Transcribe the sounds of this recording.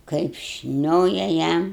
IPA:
kɐɪp ˈʃʲnʲoːjɛ ˈjɛm

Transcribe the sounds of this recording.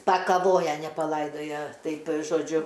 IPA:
pɐkɐˈʋoːjɛ nʲɛ pɐˈlˠɐɪdoːjɛ ˈtɐɪpʲ ʒoːˈd͡ʒʲʊ

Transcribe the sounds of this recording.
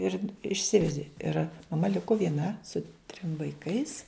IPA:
ɪr ɪʃʲˈsʲɪʋʲɛdʲɪ ɪr mɐˈmɐ ˈlʲɪkʊ ʋʲiɛˈnɐ sʊ tʲrʲɪm ʋɐɪˈkɐɪs

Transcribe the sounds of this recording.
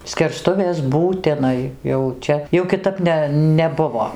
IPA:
sʲkʲɛrˈstʊʋʲeːs buːtʲɪˈnɐɪ jɛʊ ˈt͡ʃʲɛ jɛʊ kʲɪˈtɐp nʲɛ nʲɛˈbʊʋoː

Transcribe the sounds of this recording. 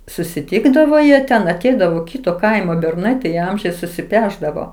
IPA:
sʊsʲɪˈtʲɪɡdɐʋoː jiɛ ˈtʲɛn ɐˈtʲɛɪdɐʋoː ˈkʲiːtoː ˈkɐɪmoː bʲɛrˈnɐɪ tɐɪ ˈɐmʲʒʲɛɪs sʊsʲɪˈpʲæːʒdɐʋoː

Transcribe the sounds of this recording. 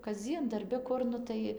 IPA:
kɐzʲˈd͡zʲiɛn dɐrʲˈbʲɪ ˈkʊr ˈnʊ tɐɪ

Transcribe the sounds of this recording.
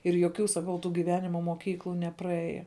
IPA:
ɪr joːˈkʲuː sɐˈkɐʊ tuː ɡʲɪˈʋʲæːnʲɪmɐ moːˈkʲiːklˠʊ nʲɛprɐˈeːjɛ

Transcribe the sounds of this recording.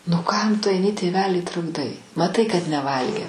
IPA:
nʊ ˈkɐm ˈtʊ ɐɪˈnʲɪ tʲeːˈʋʲæːlʲiː trʊɡˈdɐɪ mɐˈtɐɪ kɐt nʲɛˈʋɐlʲɡʲeː

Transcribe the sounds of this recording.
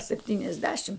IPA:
sʲɛpʲtʲiːnʲɛzʲˈdʲæːʃʲɪm

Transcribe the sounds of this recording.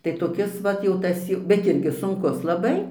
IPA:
tɐɪ toːˈkʲɪs ˈʋɐt jɛʊ ˈtɐs jɛʊ bʲɛt ˈɪrʲɡʲɪ sʊŋˈkʊs lˠɐˈbɐɪ

